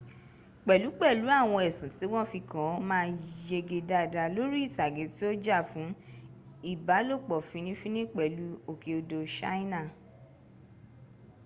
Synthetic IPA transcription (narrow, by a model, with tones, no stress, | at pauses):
k͡pɛ˨lu˨˦k͡pɛ˦˨lu˨˦a˦˨w̃ɔ̃˧ɛ˨sũ˨˦ti˨˦w̃ɔ̃˦fi˧kã˨˦mãː˦˧je˧ɡe˧da˧˨da˧lo˨˦ɾi˦i˦˨ta˨ɡe˨˦ti˦o˦d͡ʒa˦˨fũ˨˦ | i˦˨ba˨˦lo˦˨k͡pɔ˨fĩ˧nĩ˦fĩ˦nĩ˦k͡pɛ˨lu˨˦o˦˨ke˧o˧do˧ʃa̰˦ĩ˦nã˦˨